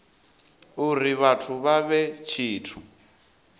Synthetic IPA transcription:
uriβatʰuβaβɛt͡ʃʰiːtʰu

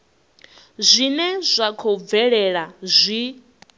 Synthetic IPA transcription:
zʷinɛzʷakʰɔb̪vɛɺɛɺazʷi

